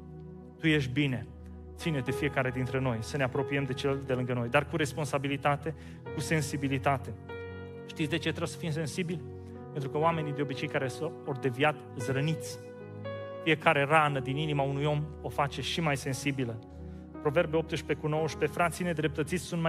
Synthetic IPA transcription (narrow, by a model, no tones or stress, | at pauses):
t̪uje̞ʃ̬t̪bine̞ | t̪sined̪e̞fije̞kaɾe̞d̪int̪ɾe̞no̞jsəne̞apɾo̞piemd̪e̞t͡ʃeld̪elɨŋɡəno̞jd̪arkuɾe̞spo̞nsabilit̪at̪e̞ | kuse̞nsibilit̪at̪e̞ | ʃt̪it̪sʲd̪e̞t͡ʃe̞t̪ɾebsəfims̬e̞nsibilʲ | pent̪ɾukəoame̞nid̪eo̞bit͡ʃe̞jkaɾesəord̪e̞viat̪ɨzɾənit̪sʲ | fie̞kaɾe̞ranəd̪ininimaunujo̞mo̞fat͡ʃe̞ʃimajse̞nsibilə | pɾo̞ve̞rbeop̚t̪ɨʃpe̞kuno̞wəʃpe̞fɾat̪sine̞d̪ɾe̞p̚t̪ət̪sit̪sʲsunt̪ma